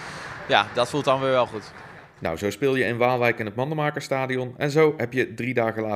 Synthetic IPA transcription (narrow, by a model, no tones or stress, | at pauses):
jadɑtfulˠtdɑnʋɪːɹʋɛlˠχut | na̰wzowspɪːlˠjəɪnʋaːlˠʋɛjkɪnɦətmɑndəmaːkəɹstaːdiɔnɛnzowɦɛpjədridaːɣəlaː